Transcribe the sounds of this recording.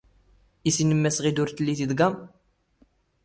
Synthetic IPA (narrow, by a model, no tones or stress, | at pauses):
isinəmːæsʁid̪ʊɾθlːiθid̪ɡæm